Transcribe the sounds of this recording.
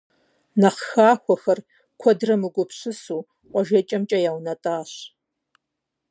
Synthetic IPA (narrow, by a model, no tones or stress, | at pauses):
nɐχxaːxʷɔxɐr | kʷʰɔdrɐmɨɡʷʊpɕɨsuː | qʷɔʒet͡ʃʼɐmt͡ʃʼɐjaːwnɐtʼaːɕ